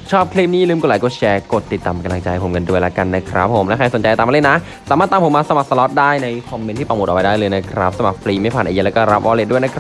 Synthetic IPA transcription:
t͡ɕʰɔː˥˩p̚kʰliː˦˥˩p̚niː˥˩˨lɯː˥˩mku˧˩laː˨˦ko˧˩t͡ɕʰɛː˧ko˨˩t̪ːi˨˩t̪ːaː˨˩m˧ka˧mla˧ŋt͡ɕa˧jpʰo˩˦mka˧ndu˧˩əjla˦˥ka˧nːa˦kʰɾa̰˦˥pʰːo˩˦mlɛ˦˥kʰa˧jso˩˦nt͡ɕa˧t̪aː˨ma˧le˥na˦˥ | saː˨˦maː˥˩t̪ːaː˧˦pʰo˩˦maː˧sa˧ma˨˩k̚sa˧lɔ˦˥t̪̚daː˥˩jna˧jkʰɔ˧mːe˧nt̪ʰiː˥pɾa˨˩mu˨˩t̪ʔwa˧jdaː˥˩jlɤː˧jna˦˥kʰɾa˦˥p̚sa˧ma˨˩k̚fliː˧ma˥˩pʰaː˨˩nʔa˧ja˧˥lɛ˦˥kɔː˥˩ɾa˦˥p̚ʔɔː˧le˧˩du˥˩jna˦˥kʰ

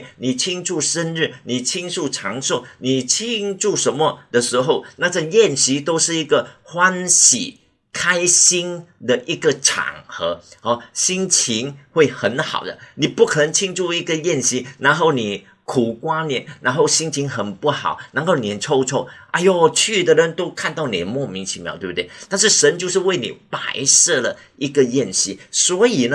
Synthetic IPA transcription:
ni˨˩t͡ɕʰi˥ŋʈ͡ʂʰu˥˩ʂə˥nɻ̩˥˩ni˨˩t͡ɕʰi˥ŋʂu˥˩ʈ͡ʂʰɑ˧˥ŋʂo˥˩ni˨˩t͡ɕʰi˥ŋʈ͡ʂu˥˩ʂə˧˥nmə˧d̪ə˨ʂɻ̩˧˥xo˥˩ʊna˥˧ʈ͡ʂə˥˧jɛ˥˩nɕi˧˥t̪o˥ʊʂɻ̩˥˩i˧˥ɡə˧xwa˥nɕḭ˨˩ | kʰa˥ɪɕi˥ŋd̪ə˨ʔi˧˥ɡə˧˨ʈ͡ʂʰa̰˨˩ŋxɤ˧˥ɔ˧˦ɕi˥ŋt͡ɕʰi˧˥ŋxwe˥˩ɪxə˧˦nxɑ̰˨˩ʊd̪ə̰˦ni˨˩pu˥˩kʰə˨˩nə˧˦˥ŋt͡ɕʰi˥ŋt͡su˥˧i˥˩ɡə˧˨jɛ˥˧nɕi˧˥na˧˥nxo˥˩ʊni˨˩ | kʰu˨˩kwa˥njɛ˨˥˩nna˧˥nxo˥˩ʊɕi˥ŋt͡ɕʰi˧˥ŋxə˨˩npu˥˩xɑ˨˩˦ʊna˧˥nxo˥˩ʊnjɛ˨˩˨nʈ͡ʂʰo˥˧ʊʈ͡ʂʰo˥ʊa˧˥ɪjo˨˩t͡ɕʰy˥˩d̪ə˨˩lə˧˦nt̪o˥ʊkʰa˥˧nt̪ɑ˥˩ʊnḭ˨˩d̪ə˦mwɔ˥˩mi˧˥ŋt͡ɕʰi˧˥mjɑ̰˨˦t̪we˥˩bu˧t̪we˥˩ɪt̪a˥˧nʂ̬ɻ̩˥˩ʂə˧˦˥nt͡ɕjo˥˧ʊʂ̬ɻ̩˥˧we˥˩ɪnḭ˨˩pa˧˥ɪʂɤ˥˩lə˩ | ʔi˧˥ɡə˧˨jɛ˥˧nɕi˧˥swɔ˧˥i˨˩nə˦

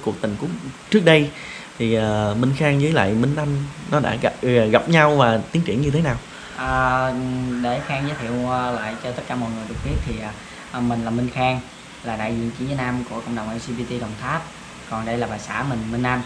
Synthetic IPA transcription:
ku˨˩ək̚t̪ï˨˩ŋ̟ku˨˦ət͡ɕɨ˦˥ək̚ɗə˧j | t̪ʰi˨˩ʔəː˨˩mi˧ŋ̟xaː˧ŋzəː˨˦jla̰ː˧˨jmï˧ŋ̟ʔa˧mnɔ˨˦ɗa̰ː˧˥ɣa˨˧˨ɣa˨˩p̚ɲa˧wvaː˨˩t̪i˨˦əŋt͡ɕḭ˧˩ənɲɨ˧t̪ʰe˨˦naː˨˩w | ʔəː˨˩ | ɗe˧˩xaː˧ŋzəː˨˦jt̪ʰi˧˨əwːla̰ː˧˨jt͡ɕɔ˧t̪ə˦˥t̚kaː˧˦mɔ̰˧˨jŋɨ˨˩əjɗɨ˨˩ək̚ɓi˦˥ət̚t̪ʰi˨˩ʔaː˨˩ | ʔmï˨˩ŋ̟laː˨˩mï˧ŋ̟xaː˧ŋ | laː˨˩ɗa̰ː˧˨jzḭ˧˨ənt͡ɕi˧˦zəː˨˦nʔaː˧mku˧˩əkɔ̰˧˨wŋ͡mɗə˨˩wŋ͡mʔɛ˧zi˧ɓi˧t̪i˧ɗə˨˩wŋ͡mt̪ʰaː˦˥p̚ | kɔ˨˩nɗə˧jlaː˨˩ɓaː˨˩jsa̰ː˧˥mï˨˩ŋ̟mi˧n̟ʔa˧m

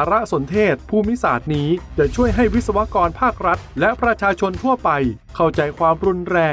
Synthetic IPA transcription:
a˧˦ɾa˦˥so˩˦nt̪ʰeː˥˩t̪̚pʰuː˥˩mi˦˥saː˩˦t̪̚niː˦˥t͡ɕa˧˩t͡ɕʰu˥˩əjɦa˥˩jwi˦˥t̪̚sa˧wa˦˥kɔː˧npʰaː˥˩k̚ɾa˦˥t̪̚lɛ˦˥ʔpɾa˧t͡ɕʰaː˧t͡ɕʰo˧nt̪ʰu˥˩ɐpa˧jkʰa˥˩wt͡ɕa˧jkʰwaː˧mɾu˧nɾɛː˧

